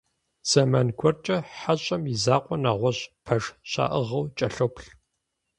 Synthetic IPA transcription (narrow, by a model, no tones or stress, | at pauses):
z̥ɐmaːnkʷʰɔrt͡ʃʼɐħaɕʼɐmizaːqʷʼɔnaːʁʷɔɕpʰɐʒɕa̰ːʔɨʁɐwt͡ʃʼɐɬopʰɬ